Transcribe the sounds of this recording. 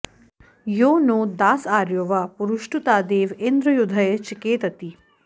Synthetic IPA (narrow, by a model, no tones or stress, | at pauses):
joːnoːd̪aːsaːɾjoːʋɐpuɾuʃʈut̪aːd̪eːʋend̪ɾɐjud̪ʱɐjt͡ʃikeːt̪ɐt̪i